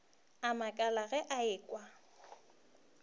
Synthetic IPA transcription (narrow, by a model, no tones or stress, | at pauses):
amakʼalaɣɛʔaɪːkʼwa